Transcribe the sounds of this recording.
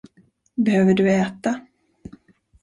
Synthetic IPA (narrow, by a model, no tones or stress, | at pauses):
bɛhøːvəɖɵɛːt̪a